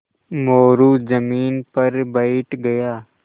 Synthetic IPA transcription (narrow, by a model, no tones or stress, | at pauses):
moːɾuːd͡ʒəmiːnpɐɾbɐɪʈɡɐjaː